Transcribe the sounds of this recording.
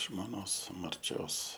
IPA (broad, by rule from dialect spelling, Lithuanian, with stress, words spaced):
ʒmoːˈnoːs mɐrʲˈt͡ʃʲoːs